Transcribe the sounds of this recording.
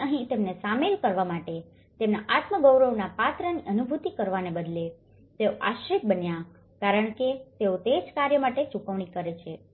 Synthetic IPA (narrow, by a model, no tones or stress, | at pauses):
əɦĩt̪emnesamelkəɾʋamaʈe | t̪emnaʔat̪məɡəwɾəʋnapat̪ɾəniʔənubʱut̪ikəɾʋanebəd̪le | t̪eoʔa̰ʃɾit̪̚bənja | kaɾəɳ̃ket̪eot̪ed͡ʒkaɾjəmaʈet͡ʃukəʋɳikəɾet͡ʃʰe